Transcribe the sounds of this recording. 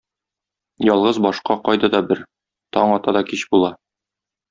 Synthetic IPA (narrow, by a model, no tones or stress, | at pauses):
jɒlˠʁɤzbɒʃqɑqɒjd̪ɑd̪ɒbɘɾ | t̪ɒɴɒt̪ɑd̪ɒkiɕbulˠɑ